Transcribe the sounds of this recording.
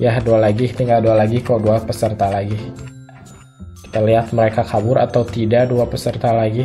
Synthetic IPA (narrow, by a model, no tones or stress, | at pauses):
jahdualaɡit̪iŋɡaldualaɡikaduapəsərt̪alaɡi | ki̥t̪aliɦat̪̚məɾekakʰabʊɾʔat̪awt̪idaduapəsərt̪alaɡi